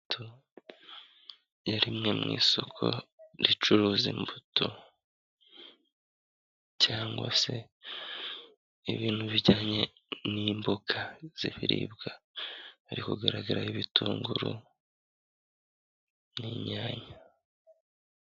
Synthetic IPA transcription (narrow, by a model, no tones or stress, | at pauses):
tu | jaɾimŋe̞mŋḭːso̞kʰo̞̰ɾit͡ʃuɾuːzimbutʰu | caːŋɡwa̰se̞ | iβiːn̥huβiɟaːɲe̞niːmbokʰaz̥iβiɾḭːbɡa | aɾikuɡaɾaɡaɾaiβituːŋɡuɾṵ | niɲaːɲa